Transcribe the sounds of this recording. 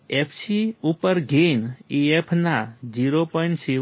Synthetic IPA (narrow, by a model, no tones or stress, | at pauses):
epʰsiupəɾɡʱiniepʰnad͡ʒiɾopɔɪɳʈsi